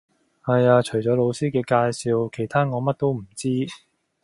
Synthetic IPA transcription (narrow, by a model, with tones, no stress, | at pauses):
hɐ˨jaː˧t͡ʃʰɵ˨˩jt͡ʃɔː˨˥lo˨˧wsiː˥kɛː˧kaː˧jsiː˧wkʰe˨˩jt̪ʰaː˥ŋɔː˨˧mɐ˥t̚t̪o˥wm̩˨˩t͡siː˥